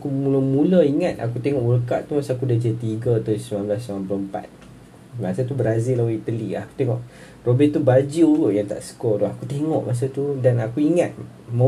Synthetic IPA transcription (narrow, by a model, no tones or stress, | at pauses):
akumuləmuləiŋat̪̚a̰kut̪eŋɔʔwələkaʔt̪umasaːkudad͡ʒet̪iɡət̪aisəmanblasaampləəmpa̰t̪̚ | masat̪ubəɾazɪlawit̪əlia̰ku̥t̪eŋɔʔ | robɛʔt̪ubad͡ʒiulʊjaŋt̪a̰ʔsə̥kɔdɔhakut̪eŋɔʔmʔas̬at̪udanakuiŋa̰t̪̚ | mə